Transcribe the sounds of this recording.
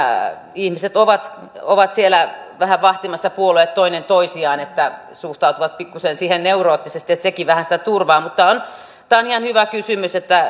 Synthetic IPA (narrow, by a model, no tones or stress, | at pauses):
ihmiset̪oʋɑt̪ | oʋɑt̪sielæʋæhæʋɑht̪imɑsːɑpuoleːt̪t̪oinent̪oisiɑːnet̪ːæ | suht̪ɑut̪uʋɑt̪̚pikːusensiːhenneuroːt̪ːisest̪iet̪sekiʋæhænsĭ̥t̪æt̪urʋɑːmut̪ːɑon | t̪æːonihɑnhyʋækysymyset̪ːæ